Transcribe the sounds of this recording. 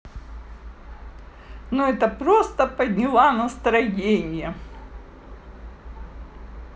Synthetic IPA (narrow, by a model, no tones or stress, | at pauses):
nuɛt̪əpɾost̪əpɐd̪ʲnʲɪlˠanɐst̪ɾɐjenʲɪjə